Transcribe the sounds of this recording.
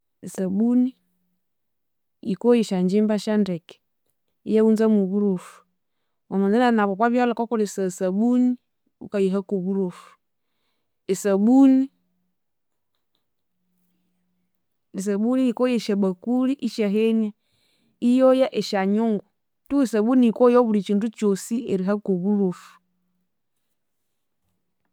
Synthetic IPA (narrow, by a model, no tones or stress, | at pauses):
esabuni | jikojiʃaɲd͡ʒimbaʃandɛkɛ̥ | ijaunzamuβuɾofu̥ | ɔnɔdɛnanaβɔpwaβjalakɔkɔlesasabuni | ṵkajiɦakuβuɾofu̥ | esabuni | es̬abuniikojeʃabakuɾiʔiʃɛɦeni | ijojɛʔeʃaɲuŋɡu | tuesabunikojobuɾit͡ʃinɾut͡ʃosieɾiɦakobuɾof